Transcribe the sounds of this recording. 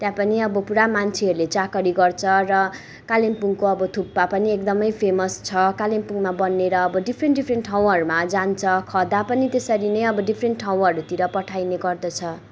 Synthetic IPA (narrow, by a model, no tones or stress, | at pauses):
t̪jãpʌniʌbʌpuɾamant͡sʰiɦʌɾulet͡sakʌɽiɡʌrt͡sʰʌrʌ | kalempuŋkoʌbʌt̪ʰupːapʌniekd̪ʌmʌjpʰemʌst͡sʰʌkalempuŋmabʌnːeɾʌːbʌɖipʰrenʈɖipʰrenʈʈʰaw̃ʌɾumad͡zant͡sʰʌkʰʌd̪apʌnit̪esʌɾinʌjʌbʌɖipʰrenʈʈʰaw̃ɦʌɾut̪iɾʌpʌʈʰajneɡʌrd̪ʌt͡sʰʌ